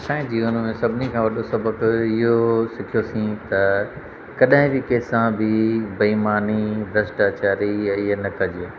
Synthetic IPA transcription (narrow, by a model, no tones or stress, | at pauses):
sãːɪ̃d͡ʑiːʊnəmẽsɐbʱɪnikʰãːʋɐɗosɐbʱəkɪɦosɪkʰijosĩt̪ɐ | kɐɗãɦɪ̃d͡ʑikeːsãbɪbɐiːmaːnibɾɐsʈaːt͡ɕaːɾiɛ̃ɪɦnɐkɐd͡ʑiẽ